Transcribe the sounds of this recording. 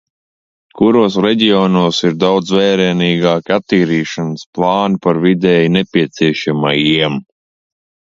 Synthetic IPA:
kuɾuɔsɾɛɟiɔːnuɔsiɾd̪awd̪zvɛːɾɛːniːɡaːkʲat̪ːiːɾiːʃansplˠɑːnpaɾvid̪ɛːjnepʲiɛt̪siɛʃamajiɛm

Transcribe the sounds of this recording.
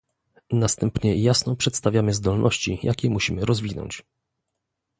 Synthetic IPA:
nast̪ɛmpɲɛjasnɔpʂɛt̪st̪avʲjamɘzd̪ɔlnʔɔɕt͡ɕijʔakʲɛmuɕimɘɾɔzvʲinɔ̰ɲt͡ɕ

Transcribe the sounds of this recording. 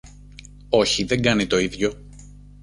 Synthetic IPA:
o̞çiðe̞ŋɡɐnit̪o̞iðʝo̞

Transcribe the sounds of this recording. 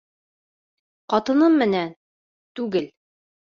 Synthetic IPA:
qɒt̪ɤ̆nɤmːɘ̆næn | t̪ʉɡɘl

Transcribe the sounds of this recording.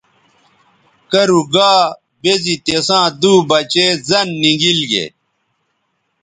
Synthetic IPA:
kɐɾuɡaː | bezit̪esãːd̪uːbɐt͡ɕeːzɐnːiɡilɡḛ

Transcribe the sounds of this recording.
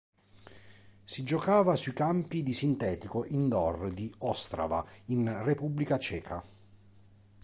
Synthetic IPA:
sid͡ʒokaːvasuikampid̪isint̪ɛːt̪ikoʔind̪ɔrd̪iɔst̪ɾa̰va̰inrepubːlikat͡ʃɛːkʰa

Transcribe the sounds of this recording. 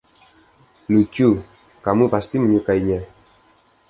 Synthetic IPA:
lut͡ʃu | kamũpast̪imũɲukaiɲɛ̃

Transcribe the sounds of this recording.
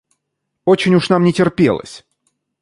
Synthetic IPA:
o̞t͡ɕɪnʲʊʂnamnʲɪtʲɪrpʲe̞̰lˠə̰sʲ

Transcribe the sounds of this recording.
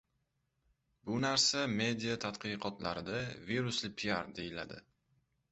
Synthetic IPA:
bʊnaɾsame̞d̪ijat̪ʰat̪qɨjqɒt̪la̰ɾɪd̪aviɾʊslɪpʰiaɾd̪e̞jɪla̰d̪ɪ̰

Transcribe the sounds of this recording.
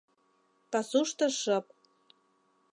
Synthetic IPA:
pɑsuʃt̪ɤ̆ʃɤp̚

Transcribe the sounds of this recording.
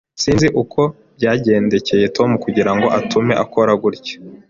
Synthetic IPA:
siːnziʔukʰo̞ | bɟaːɟe̞ːnde̞ce̞je̞to̞mukuɟiɾaŋɡo̞ʔatʰume̞ʔako̞ɾaɡuɾɟḁ

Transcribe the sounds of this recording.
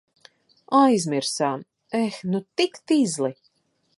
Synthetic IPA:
ajzmʲiɾsaːm | ɛxnut̪ikt̪izlˠi

